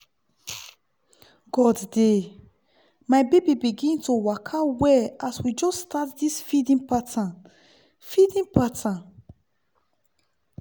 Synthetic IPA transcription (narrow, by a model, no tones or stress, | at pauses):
ɡ̥ɔdde | majbebibiɡĩntowakʰawɛaswid͡ʒɔsːtatdisfidĩnpatã | fidĩnpatã